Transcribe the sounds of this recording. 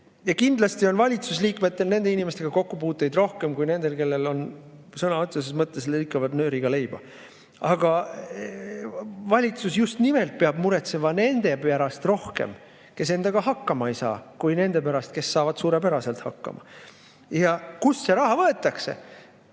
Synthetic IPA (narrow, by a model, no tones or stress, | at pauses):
jɑkind̪̥lɑst̪io̞nvɑlʲit̪susliːkme̞t̪ːe̞lne̞nd̪̥e̞inimest̪e̞ɡ̥ɑko̞kːupuːt̪ːˑejd̪ro̞hke̞mkujne̞nd̪̥e̞lke̞lːe̞lo̞n | sɤnɑot̪sesesmɤt̪ˑːe̞slɯjkːˑɑvɑd̪nø̞ːɾiɡ̥ɑle̞jbɑ | ɑɡ̥ɑ | vɑlʲit̪susjust̪nime̞lt̪̚peɑb̥muɾe̞t̪se̞mɑne̞nd̪̥e̞pæɾɑst̪ro̞hke̞̰m | ke̞se̞nd̪̥ɑɡ̥ɑɦɑkːɑmɑejsɑ̰ːkujne̞nd̪e̞pæɾɑst̪̚ke̞sːɑːvɑd̪̥suːɾepæɾɑse̞lt̪hɑkːɑ̰mɑ̰ | jɑkusːe̞ɾɑɦɑvɤe̞t̪ːˑɑkse̞̰